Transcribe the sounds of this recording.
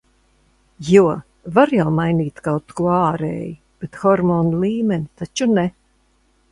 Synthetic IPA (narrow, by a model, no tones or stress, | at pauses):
juɔ | vaɾjawmajniːt̪kawt̪kuɔaːɾɛ̰ːji | b̥et̪xɔɾmɔːnlˠiːmɛnit̪at͡ʃunɛ